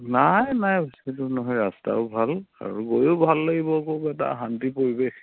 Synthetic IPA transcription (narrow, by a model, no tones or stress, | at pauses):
najnajbositʊnɔɦɔjɹasta̰ʊbʱala̰ɹuɡojubʱalːeɡibɔkobɛt̬a̰ɦantipoɹibe